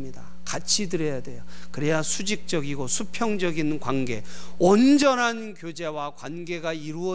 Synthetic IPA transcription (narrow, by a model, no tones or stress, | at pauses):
mɲida | kat͡ɕʰidɯɾʌjadwe̞jokɯɾejasʰud͡ʑik̚t͡ɕ͈ʌɡiɡosʰupʰjʌŋd͡ʑʌɡinkwanɡe̞ʌnd͡ʑʌnɦankjod͡ʑe̞wakwanɡe̞ɡaiɾuʌ